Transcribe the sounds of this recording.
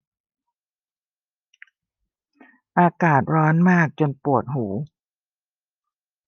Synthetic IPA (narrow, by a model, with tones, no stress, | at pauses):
ʔaː˧kaː˨˩t̪̚ɾɔː˦˥nmaː˥˩k̚t͡ɕo˧npu˨˩ət̪̚huː˩˦